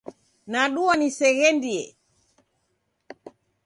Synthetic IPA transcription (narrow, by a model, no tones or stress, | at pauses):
naɗuanisɛɣɛndiɛ